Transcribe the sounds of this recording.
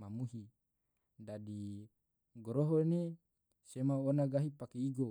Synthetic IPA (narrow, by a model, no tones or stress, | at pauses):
mamuɦi | dadi | ɡoɾoɦone | semaonaɡaɦipakeiɡo